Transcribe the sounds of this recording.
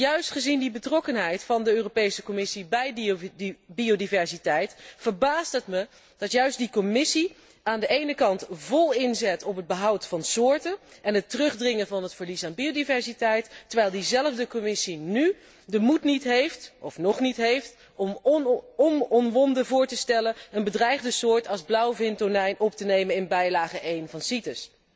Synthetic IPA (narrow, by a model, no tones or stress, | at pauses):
jœɥstχəzindibətrɔkənɦɛjtfɑndəøːropejsəkɔmɪsibɛjd | biowdivɛɹsitɛjtfəɹbaːstətmə | d̥ɑtjœɥstdikɔmɪsi | aːndəʔejnəkɑntvɔlˠɪnzɛtɔpəd̚bəɦʌwtfɑnsʊːɹtəɛnɦətərɵχdrɪŋənvɑnɦətfəɹlisaːnbiowdivɛɹsitɛjtːəɹʋɛjlˠdizɛləvdəkɔmɪsiny | dəmutnitɦejftɔfnɔχnitɦejft | ɔmɔmɔnʋɔndəvʊːɹtəstɛlənənbədrɛjχdəsʊːɹtɑlˠzblʌwvɪntonɛjnʔɔptənejmənɪnbɛjlaːχəʔejnvɑnsitəs